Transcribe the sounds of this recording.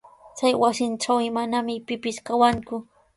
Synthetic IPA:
t͡sajwasɪnʈ͡ʂawɪmanamɪpɪpɪʃkawaŋkʊ

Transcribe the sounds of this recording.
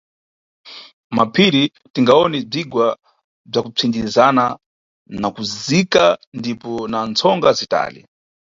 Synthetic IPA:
mapʰiɾi | tiŋɡaɔnɛb͡ʐiɡwa | b͡ʐakut͡sʰindizana | nakuzikandipɔnant͡sʰɔŋɡazita̰ːlḭ

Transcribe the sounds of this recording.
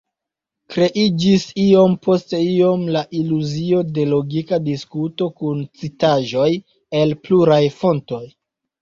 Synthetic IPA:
kɾe̞ʔid͡ʒisio̞mpo̞ste̞io̞mlaʔiluzio̞de̞lo̞ɡikadiskuto̞kunt͡sitaʒo̞j | e̞lpluɾajfo̞nto̞j

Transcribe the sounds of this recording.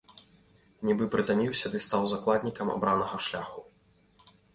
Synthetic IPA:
nʲibɨpɾɨt̪anʲiwsʲɐd̪ɨst̪awzaklˠad̪ʲnʲikɐma̰bɾanɐɣɐʂlʲaxu

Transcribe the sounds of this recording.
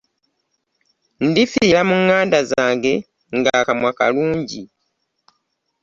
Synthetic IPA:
ndifiːlamuŋːaːndazaaːŋɡe̞ | ŋɡakamwaka̰luːɲɟi

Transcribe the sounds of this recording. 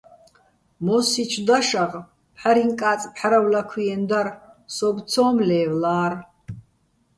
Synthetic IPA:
mosit͡ʃʷʰd̪aʂaʁ | pħaɾiŋkʼaːt͡sʼpħaɾawlakʷʰijɛnd̪arsobʷt͡sʰoːmleːwlaːr

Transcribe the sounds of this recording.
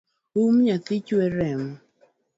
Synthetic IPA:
umɲatit͡ʃuɛɾɛm

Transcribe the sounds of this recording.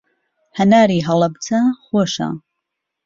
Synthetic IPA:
hɐnaːɾiːɦɐlˠɐbt͡sʰɐxoːʃɐ̰

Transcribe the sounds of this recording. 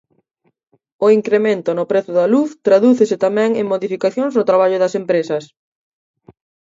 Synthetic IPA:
ʊiŋkɾemẽnt̪ʊnʊpɾeθʊðɐluθt̪ɾaðuθesɪt̪amɛ̃ŋeŋmoðifikaθjoŋsot̪ɾaβaʎʊðɐsempɾesɐs

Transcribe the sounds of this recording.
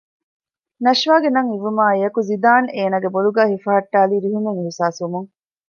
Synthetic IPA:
nɐʃʋaːɡenɐŋiʋumaːejɐkuzid̪aːneːnaːɡeboluɡæːhifɐɦɐʈːaːliːɾiɦumeŋiɦisaːsumuŋ

